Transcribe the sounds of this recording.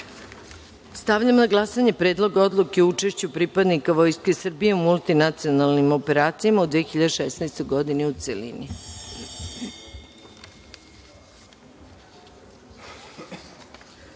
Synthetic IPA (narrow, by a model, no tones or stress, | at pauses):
st̪aʋʎamonaɡlˠasaɲepɾeːd̪lˠo̞ɡao̞d̪lˠukeout͡ʃe̞ʃt͡ɕupɾipad̪nikaʋo̞jske̞sr̩bije̞umulˠt̪inat̪sio̞nalˠnimo̞pe̞ɾaːt̪sijamaud̪ʋiexiʎad̪eʃɛsnajst̪o̞jɡo̞d̪ineut̪selḭni